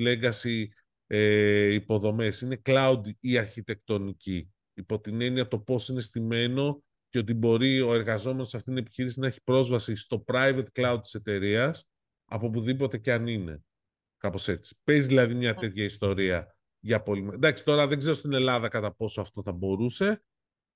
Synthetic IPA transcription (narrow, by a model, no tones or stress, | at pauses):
le̞ɡɐsi | eipo̞ðo̞me̞sine̞klɐud̪iɐɾçit̪e̞k̚t̪o̞niciː | po̞t̪ine̞niɐt̪o̞po̞sine̞st̪ime̞no̞ | ceo̞t̪̬ibo̞ɾio̞e̞ɾɣɐzo̞meno̞sɐft̪it̪inepi̥çiɾisinɐe̞çi̥pɾo̞zvɐsist̪o̞pɾɐjve̞t̪klɐud̪̚t̪i̥se̞t̪e̞ɾiɐs | ɐ̰po̞p̬uðipo̞t̪e̞ceɐnine̞̰ | kɐpo̞se̞t͡si̥pe̞zðilɐðimɲɐt̪e̞t̪çɐist̪o̞ɾiɐ | ʝɐpo̞limd̪ɐksi̥t̪o̞ɾɐðe̞ɡzeɾost̪ine̞lɐðɐkɐt̪ɐpo̞soɐft̪o̞θɐbo̞ɾuse̞